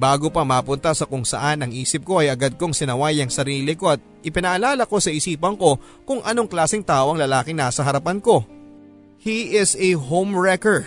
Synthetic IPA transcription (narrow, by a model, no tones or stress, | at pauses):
baːɡo̞pɐmapʊnt̪ɐsɐkʊŋsɐ̰ʔanɐŋʔiːsɪp̚ko̞ɐjɐɡad̪̚koŋsɪnɐwajɐŋsɐɾiːlɪko̞ɐt̪̚ʔɪpɪnɐʔɐlaːlɐko̞sɐɪsiːpɐŋko̞ | kʊŋʔɐno̞ŋklaːsɪŋt̪aːʔoɐŋlɐlaːkɪŋnaːsɐɦɐɾɐpanko̞ | hiʔɪsɛɦowmɹɛko